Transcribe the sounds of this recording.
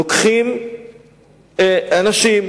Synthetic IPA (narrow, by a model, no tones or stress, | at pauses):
okχim | eanaʃim